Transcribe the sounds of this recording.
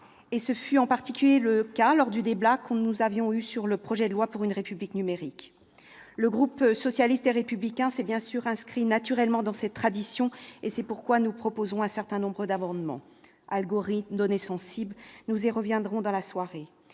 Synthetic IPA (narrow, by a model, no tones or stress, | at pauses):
esəfyɑ̃paʁt̪ikʲyljeləkalɔʁd̪yd̪ebakɔ̃nuzavjɔ̃ysyʁləpχɔʒɛd̪əlwapuʁynʁepybliknymeʁik | ləɡʁupsɔsjalist̪eʁepyblikʲɛ̃sɛbjɛ̃syʁɛ̃skχinat̪yʁɛlmɑ̃d̪ɑ̃sɛt̪ːχad̪isjɔ̃esɛpuʁkwanupχɔpozɔ̃ɛ̃sɛʁt̪ɛ̃nɔ̃bʁəd̪amɑ̃d̪mɑ̰̃ | alɡɔʁit̪md̪ɔnesɑ̃siblnuziʁəvjɛ̃d̪ʁɔ̃d̪ɑ̃laswaʁe